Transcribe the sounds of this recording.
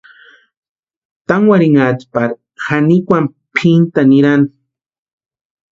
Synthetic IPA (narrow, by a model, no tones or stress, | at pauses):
t̪aŋwaɾiŋat͡ʃpaɾ | hanikwam | pʰint̪aniɾan